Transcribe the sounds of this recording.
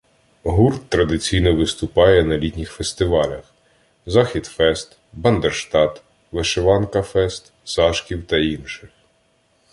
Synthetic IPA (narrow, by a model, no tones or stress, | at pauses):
ɦurt̪ːɾɐd̪ɪt͡sʲijnɔʋɪst̪ʊpɑjɛnɐlʲit̪ʲnʲixfest̪ɪʋɑlʲɐx | zɑxʲid̪fɛst̪ | bɐnd̪erʃt̪ɑt̪ | ʋeʃeʋɑnkɐfɛst̪ | sɑʃkʲiwt̪ɐinʃɪx